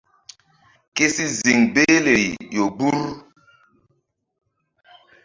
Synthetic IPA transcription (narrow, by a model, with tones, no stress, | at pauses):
ke˦si˦zi˨ŋbe˦le˨jo˨ɡ͡bu˦ɾ